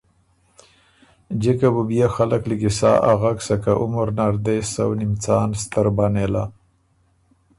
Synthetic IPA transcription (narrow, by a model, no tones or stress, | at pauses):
d͡ʒekabubijaxalakliɡisa̰ːʔaɣaksakaʔʊmaɾnaɾd̪ejsawnimt͡sɑːnst̪aɾbanela